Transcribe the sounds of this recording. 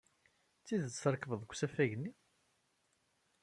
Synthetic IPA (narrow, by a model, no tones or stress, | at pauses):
t͡sːiðt͡sːɾˤkvəðˤɡʷsæfæʝnːi